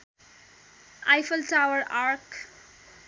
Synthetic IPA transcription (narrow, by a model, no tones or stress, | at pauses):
ʔaɪfəlʈaʊəɾaːɾk